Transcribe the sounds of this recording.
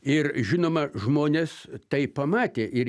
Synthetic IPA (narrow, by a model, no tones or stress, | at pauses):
ɪrʒʲɪnoːmɐʒmoːnʲeːst̪ɐɪpɐmɑːt̪ʲeːʔɪr